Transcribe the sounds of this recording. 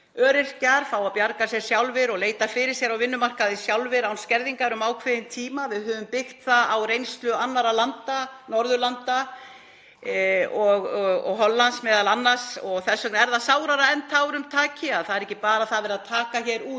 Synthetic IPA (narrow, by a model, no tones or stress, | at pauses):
œːɾɪr̥caɾ̥faːwapjaɾkasjɛɾ̥sjawlvɪɾɔɣleːjt̪afɪɾɪɾ̥sjɛɾawvɪnːʏmar̥kaðɪsjawlvɪɾawnscɛɾðiŋkaɾʏmaːwkʰvɪðɪnt̪ʰiːmavɪðhʏːvʏmpɪxt̪θaðawrejnst̪lʏanːaɾalant̪anɔɾðʏlant̪a | ɔɣɣɔ̰ɣɦɔnlːansmɛːðalanːḁsɔɣθɛsːœknɪɛɾðasaːwɾaɾaɛnt̪ʰaːwɾʏmt̪ʰaːcɪaðθaðɛɾɛhcːɪpaːɾaðθaðvɛɾaðt̪ʰaːkaçɛɾuːt̪